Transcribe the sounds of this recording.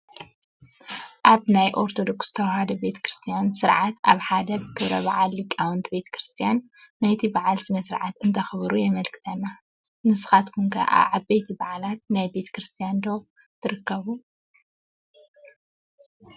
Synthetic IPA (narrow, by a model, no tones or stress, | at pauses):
ʔaβnajʔo̞ɾt̪ʰo̞d̪o̞ksɨt̪ʰɐwhad̪ɐbe̞t̪ʰɐ̥kɾɨst̪ʰijansɨɾʕat̪ʔaβħad̪ɐbɨkʰɨβɾɐβaʕalːikʼːawɔnt̪ʰbe̞t̪ʰɐ̥kɾɨst̪ʰijanː | ajt̪ʰibaʕalsɨnɐsɨɾʕat̪ɨnt̪ʰɐxɨβɾujɛmɐlkʰɨ̥t̪ʰɐnːa | nɨsɨ̥xat̪kʰuŋkʰɐ̰ʔa̰ʕabejt̪ʰibaʕlat̪̚najbe̞t̪ʰɐ̥kɾɨst̪ʰijand̪o | t̪ʰɨɾɨkːɐβu